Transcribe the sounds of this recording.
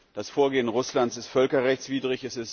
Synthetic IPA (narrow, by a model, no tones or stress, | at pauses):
d̥asfoːɐɡeːənʁʊslantt͡sɪstfœlkɐʁɛçt͡sv̥iːdʁɪçɛsɪs